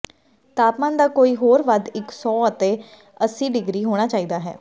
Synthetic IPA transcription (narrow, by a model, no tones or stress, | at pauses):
t̪aːpmãːnd̪aːkoːiːɦoːɾʋəd̪ɪksɔːət̪eː | əsːiːɖɪɡɾiːɦoːɽ̃aːt͡ʃaːiːd̪aːɦɛ̰ː